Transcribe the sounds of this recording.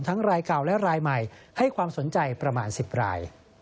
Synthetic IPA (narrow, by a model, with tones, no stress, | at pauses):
mt̪ʰa˦˥ŋɾaː˧jka˨˩wlɛ˦˥ɾaː˧jma˨˩jha˥˩jkʰwaː˧mso˩˦nt͡ɕa˧jpɾa˧maː˧nsi˨˩p̚ɾa̰ː˧j